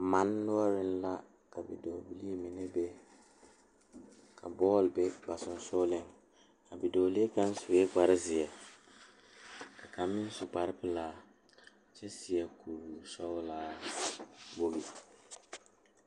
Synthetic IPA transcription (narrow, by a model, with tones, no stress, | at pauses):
ma˨˦nːʊ˦a˦ɾɪ˦n̩˦la˦ | ka˨bḭ˨do˨bi˨li˦e˦mi˨nɪ˦be˦ | kʰa˨bɔː˦˨lbɛ˦ba˨sʊ˨n˦so˦lɪ˦ŋ | a˨bi˨do˨li˦e˦ka˦n˦sʊ˨weː˦ɡ͡ba˨ɾɪ˦zɪ˨ɛ˨ | ka˨ka˨mːɪ˦n˦sʊ˨k͡pa˨ɾɪ˦pɪ˦laː˦ | t͡ʃɛ˦sɪ˨jɛ˨ku˨ɾu˨sɔ˦wlaː˦ | bo˦bi˨